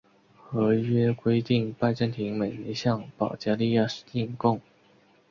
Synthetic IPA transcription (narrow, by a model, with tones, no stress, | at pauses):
xɤ˧˥ɥɛ˥kwe˥ɪt̪i˥˩ŋpa˥˧ɪʈ͡ʂə˥˩nt̪ʰi˧˥ŋme˨˩ɪi˧˥ɕjɑ˥˩ŋpɑ˨˩ʊt͡ɕja˥li˥˧ja˥˧ʂ̩˥i˥˧ŋkʊ˥˩ŋ